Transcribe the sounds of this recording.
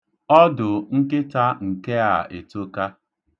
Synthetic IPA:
ɔ˦dʊ˨ŋ̩˦kɪ˦ta˦ŋ̩˨ke˦a˨e˨to˦ka˦

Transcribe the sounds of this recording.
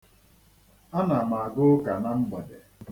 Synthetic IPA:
a˦na˨ma˨a˨ɡʊ˦ka˨na˦m̩˦ɡ͡bɔ˨de˨

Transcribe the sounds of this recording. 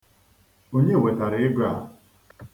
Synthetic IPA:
o˦ɲe˦˨we˨ta˨ɾɪ˨ɪ˦ɡa̰˨

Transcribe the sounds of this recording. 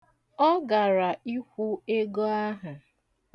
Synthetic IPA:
ɔ˦ɡa˨ɾa˨i˦kʷu˦e˦ɡo˦a˦ɦa˨

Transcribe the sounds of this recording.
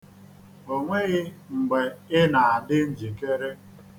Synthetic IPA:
o˨ŋʷe˦ɣɪ˦ŋ͡m̩˨ɡ͡be˨ɪ˦na˨a˨dɪ˦n̩˦d͡ʒi˨ke˦ɾe˦

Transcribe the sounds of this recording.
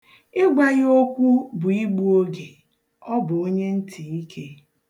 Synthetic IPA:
ɪ˦ɡʷa˦ɣo˦kʷu˦bʊ˨i˦ɡ͡bu˦o˦ɡe˨ | ɔ˦bʊ˨o˦ɲe˦n̩˦tʰi˨i˦kʰe˦

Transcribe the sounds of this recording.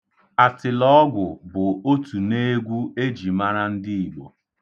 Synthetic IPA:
a˨tɪ˨lɔ˦ɔ˦ɡʷʊ˨bʊ˨o˦tu˨ne˦ɡʷu˦e˦d͡ʒi˨ma˦ɾa˦n̩˦dɪ˦i˨ɡ͡bo˨

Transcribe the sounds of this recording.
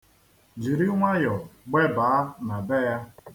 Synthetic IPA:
d͡ʒi˨ɾi˦ŋʷa˦jɔ˨ɡ͡be˦ba˨a˦na˨be˦ja˦

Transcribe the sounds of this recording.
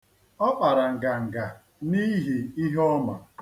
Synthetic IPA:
ɔ˦k͡pa˨ɾa˨ŋ̩˨ɡa˨ŋ̩˨ɡa˨ | ni˦ɦi˨i˦ɦɔ˦ma̰˨

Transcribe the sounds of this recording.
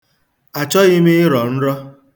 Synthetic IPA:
a˨t͡ʃɔ˦ɣɪ˦mi˦ɪ˦ɾɔ˨n̩˦ɾɔ˦

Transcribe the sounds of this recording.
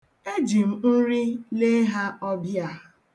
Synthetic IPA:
e˦d͡ʒi˨m̩˨n̩˦ɾi˦le˦ɦa˦ɔ˦bja˦˨

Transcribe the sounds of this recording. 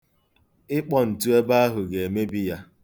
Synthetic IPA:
ɪ˦k͡pɔ˨n̩˨tu˦e˦ba˦a˦ɦʊ˨ɡe˨e˨me˦bi˦ja˦

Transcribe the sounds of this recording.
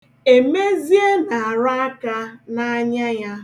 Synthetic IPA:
e˨me˦zi˦e˦na˨a˨ɾa˦a˦ka˦na˦a˦ɲa˦ja˦

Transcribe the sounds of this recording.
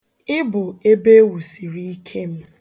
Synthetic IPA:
ɪ˦bʊ˨e˦be˦wu˨si˨ɾi˦i˦kʰe˦m̩˦

